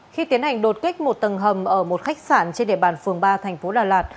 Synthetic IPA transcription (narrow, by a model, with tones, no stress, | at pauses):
xi˧t̪i˨˦ənha˨˩jŋ̟ɗo˨˩t̚ki˦˥k̟̚mo˨˩t̚t̪ə˨˩nɦə˨˩mʔəː˧˩mo˨˩t̚xa˦˥jk̚saː˧˩nt͡ɕe˧nɗḭ˧˨əɓaː˧˩nfɨ˨˩əŋɓaː˧t̪ʰɛ˨˩ŋ̟fo˨˦ɗaː˨˩laː˨˩t̚